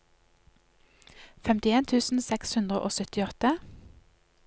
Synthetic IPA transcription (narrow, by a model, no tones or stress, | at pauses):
fɛmt̪ɪeːnt̪ʰʉːsn̩sɛkshʉnd̪ʁəʔo̰ːsœt̪ɪɔt̪ə